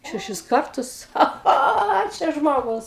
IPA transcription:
ʃʲɛˈʃʲɪs ˈkɐrtʊs ˈxɐ ˈxoː oː ˈt͡ʃʲɛ ˈʒmoːɡʊs

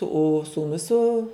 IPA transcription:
oː suːˈnʊs sʊ

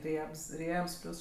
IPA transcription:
ˈrʲiɛps ˈrʲiɛps ˈpʲlʲuːs

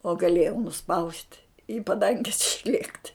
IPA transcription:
oː ɡɐˈlʲeːjɛʊ nʊˈspɐʊsʲtʲ iː pɐˈdɐŋʲɡʲɛs ɪʃʲˈlʲiɛktʲ

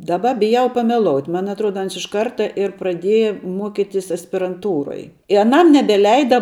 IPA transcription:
ˈdɑːˌbɐ bʲɪˈjɛʊ pɐmʲɛˈlˠoːʊtʲ ˈmɐn ɐtˈruɔdɐ ˈɐns ɪʃ ˈkɐrtɐ ɪr prɐˈdʲeːjɛ ˈmuɔkʲɪtʲɪs ɐsʲpʲɪrɐnˈtuːroːj ɪ ɐˈnɐm nʲɛbʲɛˈlʲɛɪdɐ

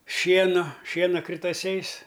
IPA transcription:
ˈʃʲiɛnʊ ˈʃʲiɛnɐ krʲɪtɐˈsʲɛɪs

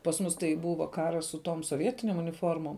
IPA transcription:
pɐs ˈmʊs tɐɪ ˈbuːʋɐ ˈkɑːrɐs sʊ toːm soːˈʋʲiɛtʲɪnʲeːm ʊnʲɪˈfoːrmoːm

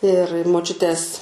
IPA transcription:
ɪr moːˈt͡ʃʲʊtʲeːs

